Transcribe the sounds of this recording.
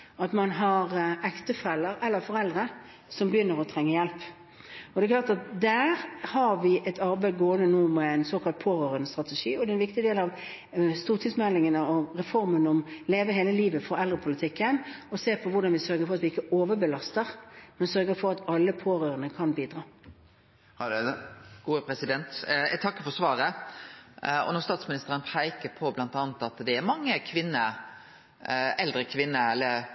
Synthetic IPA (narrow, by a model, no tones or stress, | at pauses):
ɑt̪mɑnɦɑɾʔɛkt̪əfɛlːəɾɛlːəɾfɔɾɛld̪ɾə | sɔmbəjʏnːəɾɔt̪ʰɾɛŋːəjɛlp | ɔd̪ɛklɑːʁt̪ɑt̪̚d̪æːɾhɑɾʋɪʔɛt̪ʰɑɾbæɪɡoːənənuːmɛæɪnsoːkʰɑlt̪̚pʰoːɾøːɾənəst̪ɾɑt̪ɛʂiːɔd̪ɛnʋɪkt̪ɪd̪eːlɑʋ | st̪uːʁt̪ʰɪsmɛlːɪŋənəɔɾɛfɔɾmənɔmleːʋəɦeːləliːʋəfɔɾɛld̪ɾəpʰʊlɪt̪ʰɪkːənɔseːpʰɔʋʊɖɑnʋɪsœɾɡəfɔʁɑt̪ʋɪɪkːəoːʋəbəlɑst̪əɾmɛnsœɾɡəfɔɾɑt̪ɑlːəpʰoːɾøːɾənəkʰɑnbiːd̪ɾɑː | ɡ̥uːəpʰɾɛsɪd̪ɛnt̪æ̰t̪ʰɑkːəɾfɔsʋɑːɾə | ɔ̰nɔʁst̪ɑːt̪smɪnɪst̪əɾənpʰæɪkəɾpʰɔblɑnt̪ɑːnət̪ɑt̪d̪ɛæɾmɑŋːəkʰʋɪnːə | ɛld̪ɾəkʰʋɪnːəɛlːə